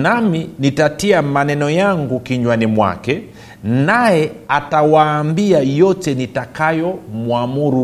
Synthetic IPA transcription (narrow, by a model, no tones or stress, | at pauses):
naminitatiamanɛnɔjaŋɡukiɲwanimwa̰kɛ | najɛatawaːmbiajɔtɛnitakajɔmuamuɾu